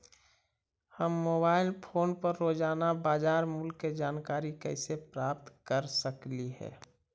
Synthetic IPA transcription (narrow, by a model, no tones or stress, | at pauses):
həmːoːbaːɪlpʰoːnpəɾːoːd͡ʒaːnabaːd͡ʒaːɾmʊlkːed͡ʒaːnkaːɾikɛɪsepɾaːp̚t̪kəɾsəkliɦɛ̰ː